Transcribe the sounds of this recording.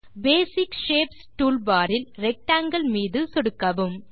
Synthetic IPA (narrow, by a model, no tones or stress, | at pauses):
beːsɪkʃeːpsʈuːlbaːɾɪlɾɛk̚ʈaːŋɡɐɭmiːðɯsɔɽɯkːɐʋɯm